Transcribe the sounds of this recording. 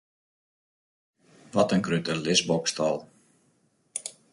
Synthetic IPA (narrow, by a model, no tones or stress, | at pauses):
ʋɔtənkrytəlɪsbɔkstɔlˠ